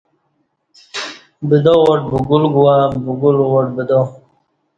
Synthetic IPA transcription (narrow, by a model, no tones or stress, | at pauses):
bid̪owɔʈ̚buɡulɡuwabuɡulwoʈ̚bid̪o